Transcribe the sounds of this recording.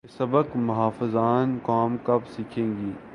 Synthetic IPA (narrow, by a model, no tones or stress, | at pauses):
esɐbəkmʊɦaːfɪzaːnkaːmkɐbsiːkʰẽːŋɡiː